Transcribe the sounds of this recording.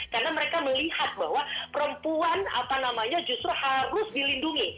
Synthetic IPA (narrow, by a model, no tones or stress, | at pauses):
karnaməɾekaməlihat̪̚ba̰hwapəɾəmpuana̰panamaɲad͡ʒust̪ɾuhaɾʊsdilinduŋi